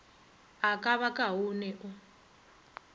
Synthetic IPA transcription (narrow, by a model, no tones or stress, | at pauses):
akʼaβakʼaɦunɛʔu